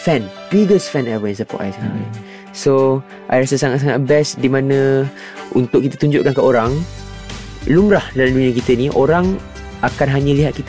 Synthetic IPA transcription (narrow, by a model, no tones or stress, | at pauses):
fɛ̃npiɡəsfɛ̃nɛvəɛnsəpɔ̰ʔa̰jsaŋaʔa | so | ʔajɾasəsaŋat̪s̬aŋat̪̚bɛsdimãnə̃ | ʔunt̪ʊʔkːit̪ə̥t̪uɲd͡ʒʊʔkankəoɾaŋ | lumɾahdalamduɲə̃kit̪əniʔoɾaŋ | akanɦaɲə̃liɦat̪̚kit̪